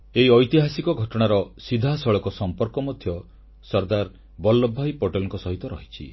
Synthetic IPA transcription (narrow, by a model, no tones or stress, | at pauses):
eɦiɔjt̪iɦasikɔɡʱɔʈɔɽ̃aɾɔsid̪ʱasɔɭɔkɔsɔmpɔɾkɔmɔd̪ʱjɔ | sɔɾd̪aɾ | bɔlːɔbʱːajpɔʈelɔŋkɔsɔɦit̪ɔɾɔɦit͡ʃʰḭ